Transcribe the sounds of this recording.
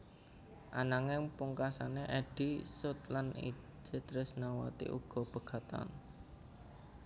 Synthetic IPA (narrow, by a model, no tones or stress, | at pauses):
ʔanaŋɪŋpuŋkasaneʔɛɖ̥isʊt̪lanḭ | d͡ʒ̥et̪ɾʊsnawa̰t̪ḭʔṵɡ̥ɔ̤b̥ə̤ɡ̥a̤t̪a̰n